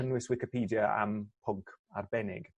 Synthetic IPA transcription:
ənwɪswɪkɪpʰiːdjəa̰mpʰʊŋkʰa̰rbɛnɪ̰ɡ̥

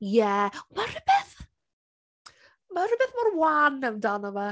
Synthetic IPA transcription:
jɛmarɪb̥ɛθ | maɾɪbɛθmarwanːɛwndanɔva

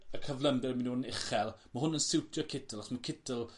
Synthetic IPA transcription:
əkʰəvlˠəmdɛɾmɪnuːnɪχɛlˠmaɦʊnənsɪwtʰjɔkʰɪtʰəlˠaχsmakʰɪtəlˠ

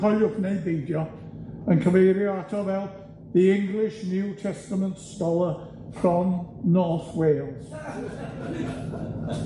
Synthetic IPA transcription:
ɔlʊknejbejdjɔ | ənkʰəvejɾjɔatʰɔvɛlˠ | ðiɪ̃ŋɡlˠɪʃnjuːtʰɛstəmə̃ntstɔlˠə | fɔnː | ɔɹθweːlˠz̥

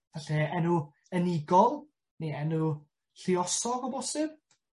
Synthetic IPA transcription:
vaɬɛɛnʊ | ənɪɡɔlˠ | neɛnʊ | ɬiɔsɔɡɔbɔsɪb̥̚

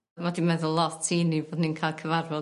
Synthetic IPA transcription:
mɔdinmɛðʊlˠɔtʰinivoːdninkʰajlˠkʰəvarvɔ

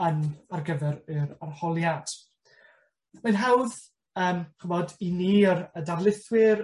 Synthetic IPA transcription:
ənarɡəvɛɾɨɾarhɔlˠjad̥ | mənɦawð | əːmɡ̥əmɔdiniːəɾədarlˠɪθwɪɾ

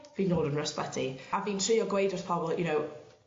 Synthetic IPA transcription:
viːnoːdənɹəspatʰiaviːntʰɹ̥iːɔɡwejdɔspʰɔbɔlˠjʊnow

